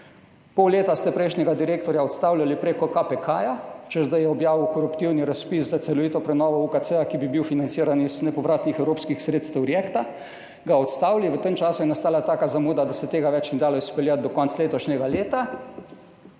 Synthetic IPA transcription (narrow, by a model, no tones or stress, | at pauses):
pɔwleːt̪ast̪ɛpɾɛjʃnɛɡad̪iɾeːkt̪ɔɾjaɔt̪st̪aːwlʲjalipɾeːkɔkapɛkʰajat͡ʃɛzd̪ajɛɔbjaːʋiwkɔɾupt̪iwniɾaspiszat̪sɛlɔʋiːt̪ɔpɾɛnɔːʋɔukat̪sɛakibibiwfinansiːɾaniznɛpɔʋɾaːt̪nixɛwɾoːpskixsɾeːt̪st̪ɛwɾjekt̪a | ɡaɔt̪st̪aːwliʋət̪emt͡ʃaːsujɛnast̪aːlat̪aːkazamuːd̪ad̪asɛt̪eːɡaʋɛt͡ʃnɛd̪aːlɔispɛljat̪̚d̪ɔkɔntsleːt̪ɔʃnʲɛɡaleːt̪a